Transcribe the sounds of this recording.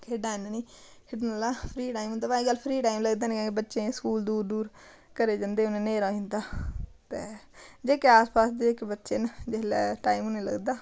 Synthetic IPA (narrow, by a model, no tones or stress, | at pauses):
kʰeɖaːneːniːkʰɪɖnəlaːpʰɾiːʈaːimʊ̃nd̪aːbaːiɡəlːpʰɾiːʈaːimləɡd̪eːnekãːkebətːʃẽːskuːld̪uːɾd̪uːɾ | kəɾeːd͡ʒãnd̪eːʊnẽːneːɾãːɦɪ̃nd̪aːt̪eːd͡ʒeːkeaːspaːsd̪eːɪkbətːʃeːnd͡ʒelːʈaːimonẽːlə̰ɡd̪aː